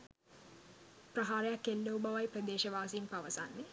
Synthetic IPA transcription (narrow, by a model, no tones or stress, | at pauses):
prɐɦaːɾejakːelːoubaʋajprəd̪eːʃɐʋaːsiːnpaʋɐsanːi